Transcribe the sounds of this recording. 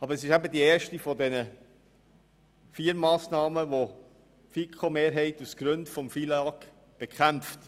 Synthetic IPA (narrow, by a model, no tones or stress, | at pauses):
ɑbəɾəsɪʃæbədieːɾʃtifɔdɛnə | fiːəɾmɑːsnɑːməʋo | fikʰomeːɾɦɛɪtusɡ̥ɾʉndfɔmfilɑk | b̥ekχæmft